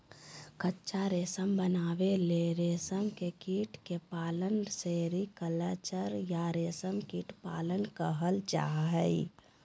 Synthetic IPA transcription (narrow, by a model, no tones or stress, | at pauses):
kətːʃʰaɾeːsəmbənaːʋeleɾeːsəmkekiːʈkepaːlənseːɾikələt͡ʃəɾjaɾeːsəmkiːʈpa̰ːlənkəɦəld͡ʒa̰ːɦəi